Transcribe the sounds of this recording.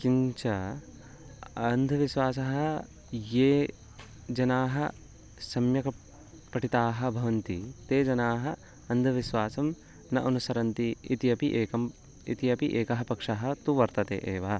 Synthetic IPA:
kiɲt͡ʃɐ | ɐnd̪ʱɐʋiʃʋaːsɐɦɐ | jeː | d͡ʒɐnaːɦɐ̰ | sɐmjɐkɐ | pɐʈit̪aːɦɐ̆bʱɐʋɐnt̪it̪eːd͡ʒɐnaːɦɐ | ɐnd̪ʱɐʋiʃʋaːsɐm | nɐʔɐnusɐɾɐnt̪iit̪iɐpiʔeːkɐm | ḭt̪iɐpiʔeːkɐɦɐpɐkʂɐɦɐ̆t̪uʋɐɾt̪ɐt̪ḛːʔeːʋɐːɐ

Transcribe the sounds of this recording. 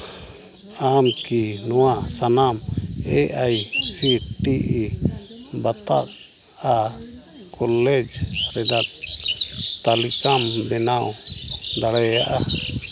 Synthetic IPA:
amkinɔwaʔsanamɛʔajsiʈiʔi | bat̪ak̚ | a | kʰɔlɛd͡ʒɾɛd̪at̪ | t̪alikambɛnawd̪aɽɛjaʔa

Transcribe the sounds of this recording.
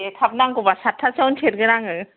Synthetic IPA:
ekʰab̚naŋkubasatʰːasawnt͡ʃʰeɾɡɯɾaŋɯ

